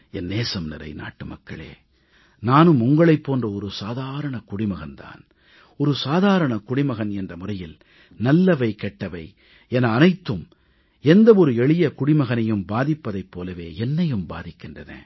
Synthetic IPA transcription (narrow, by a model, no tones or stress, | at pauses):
ɛnːeːsɐmnɪɾɐ̰ɪna̰ːʈːɯmɐ̰kːɐɭḛː | naːnɯmʊŋɡɐɭɐɪpːoːndrɐɔɾɯsaːðaːɾɐɳɐkʊɽɪmɐɣɐnt̪a̰ːn | ɔɾɯsaːðaːɾɐɳɐkʊɽɪmɐɣɐnɛndrɐmʊrɐjɪl | nɐlːɐʋɐɪkɛʈːɐʋɐɪ | ɛnɐːnɐɪt̪ːɯm | ɛnd̪ɐɔɾɯɛɭɪjɐkʊɽɪmɐɣɐnɐjɯmbaːðɪpːɐðɐɪpːoːlɐʋeːɛnːɐjɯmba̰ːðɪkːɪndrɐnḛ̃ː